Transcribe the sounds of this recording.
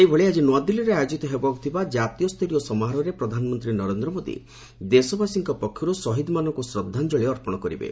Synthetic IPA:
ejbʱɔɭiad͡ʒinwad̪iliɾeajɔd͡ʒit̪ɔɦebɔku̥t̪ʰibad͡ʒat̪ijɔst̪ʰɔlijɔsɔmɔɦaɾɔɾepɾɔd̪ʱanɔmɔnt̪ɾinɔɾend̪ɾɔmod̪ḭ | d̪esɔbasiŋkɔpɔkʰːjɔɾusɔɦid̪manɔŋkusɾɔd̪ʱːand͡ʒɔɭiɔɾpɔɽ̃ɔkɔɾḭbḛ

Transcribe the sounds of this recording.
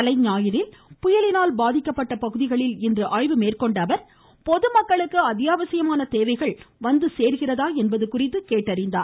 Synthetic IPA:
ɐlɐɪɲaːjɪɾɪlpʊjɐlɪnaːlbaːðɪkːɐpːɐʈːɐpɐɣɯðɪɣɐɭɪlɪndrɯʔɐɻɪʋɯmeːrkɔɳɖɐʋɐɾ | pɔðɯmɐkːɐɭɯkːɯɐðɪjaːʋɐsɪjɐmaːnɐt̪eːʋɐɪɣɐɭʋɐnd̪ɯseːɾɣɪrɐðaːɛnbɐðɯkːʊrɪt̪ːɯkeːʈːɐɾɪnd̪aːɾ

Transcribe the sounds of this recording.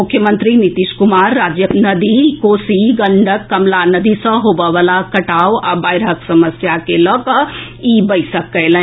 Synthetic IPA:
mʊkʰjəmə̃nt̪ɾinit̪iʃkumaɾːad͡ʒjənəd̪ikosiɡəɳɖʱəkːɐmlanəd̪isə̃ɦobəʋalakɐʈawabaːjɾɦəksɐməsjakelɔkə | ibəjsəkːəlɛ̃

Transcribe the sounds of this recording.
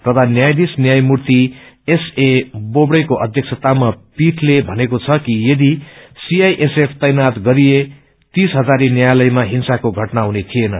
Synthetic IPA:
t̪ʌt̪ʰanjajd̪isnjajmurt̪i | esebobɽʌjkoʔʌd̪ʱjʌk̚sʰʌt̪amapiʈʰlebʱʌnekot͡sʰʌkijed̪isiajʔesepʰt̪ʌjnat̪ɡʌɾije | t̪isɦʌd͡zaɾinjajlʌjmaɦinsakoɡʱʌʈnaɦunet̪ʰienʌ

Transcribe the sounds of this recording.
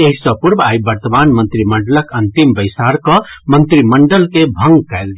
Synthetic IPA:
eɦisʌpuɾbajbəɾt̪əmanmənt̪ɾiməɳɖələkənt̪imbəjsaɾkʌmənt̪ɾiməɳɖəlkebʱə̃ŋɡkajlɡ

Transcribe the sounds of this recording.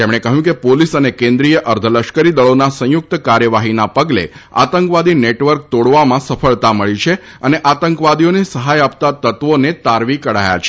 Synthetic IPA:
t̪emɽ̃ekəɦjũkepolisənekẽnd̪ɾijəʔəɾd̪ʱələʃkəɾid̪əɭonasə̃jʊk̚t̪kaɾjəʋaɦinapəɡlḛa̰t̪əŋkʋad̪ineʈʋəɾk̚t̪oɽʋamãsəfʰəɭt̪aməɭit͡ʃʰe | əneʔat̪əŋkʋad̪ijonesəɦajap̚t̪at̪ət̪ʋonet̪aɾʋikəɽaja̰t͡ʃʰe

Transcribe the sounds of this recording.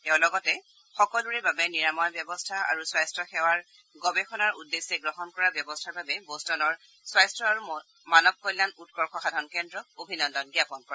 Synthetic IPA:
tɛʊ̃lɔɡɔtɛ | xɔkɔlduɹɛbabɛniɹamɔjbjɔbɔstʰaa̰ɹuswajstɹɔxɛwaɹ | ɡɔbɛxʰɔnaɹṵdːesːɛɡɹɔɦɔnkɔɹabjɔbɔstʰaɹbabɛbostɔnɔɹ | swajstɹɔaɹu | manɔb̚kɔjlːanutkɔɹxʰɔxadʱankɛndɹɔobʱinɔndɔnɡjapɔnkɔɹɛ

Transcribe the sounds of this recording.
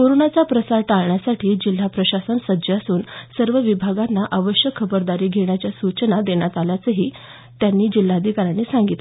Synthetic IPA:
koɾonat͡sapɾəsaɾʈaɭɳjasaʈʰiːd͡ʑil̤ːapɾəɕasənsəd͡ʑasuːnsəɾʋəʋibʱaɡanːaʔaʋəɕjəkʰːəbəɾd̪aɾiːɡʱeɳ̃jat͡ɕjasut͡ɕnad̪eɳjat̪aljat͡səɦiː | t̪janːiːd͡ʑil̤ːaːd̪ʱikaɾanːiːsaŋɡit̪

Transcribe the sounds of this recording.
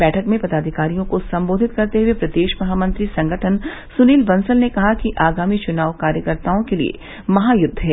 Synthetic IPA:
bɛːʈʰəkmẽpɐd̪aːd̪ʱɪkaːɾijõkosɐ̃mboːd̪ʱɪt̪̚kɐɾt̪eɦuwepɾɐd̪eːʃmɐɦaːmɐ̃nt̪ɾisɐ̃ŋɡʱəʈʰən | sʊniːlbɐ̃nsəlnekɐɦakiʔaːɡaːmit͡ʃʊnaːʋkaːɾjəkəɾt̪aːõkelḭḛ | mɐɦajʊd̪ʱːɦɛː

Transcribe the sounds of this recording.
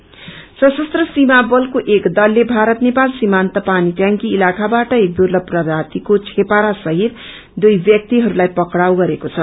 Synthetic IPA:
sʌsʌst̪rʌsimabʌlkoʔekd̪ʌlːebʱaɾʌt̪nepalsimant̪ʌpaniʈjaŋkiilakabaʈʌek̚d̪urlʌb̚prʌd̪at̪ikot͡sʰepaɾasʌɦir | d̪ujbjʌk̚t̪iɦʌɾulajpʌkɽawɡʌɾekot͡sʰʌ

